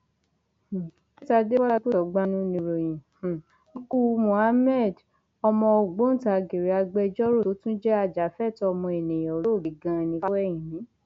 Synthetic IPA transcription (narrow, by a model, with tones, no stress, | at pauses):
e˦ta˧˨de˦wa˦a˧ko˦˨ɔ˨˦ɡ͡ba˧nũ˦nĩ˧ɾo˨j̃ĩ˨ | i˧ku˧mũ˨a˧˦mɛ˦˨d | ɔ˧mɔ̃˧o˨ɡ͡bo˨˦ta˨ɡe˨ɾe˨˦a˧ɡ͡bɛ˧d͡ʒɔ˦ɾo˦˨o˨˦tũ˦d͡ʒɛ˦a˧d͡ʒa˨˦fɛ˦˨tɔ˧mɔ̃˧e˨nẽ˨jɔ̃˨ɾo˦˨ɡi˨ɡã˧˨nĩ˧fa˦wɛ˦˨j̃ĩ˨nĩ˨˦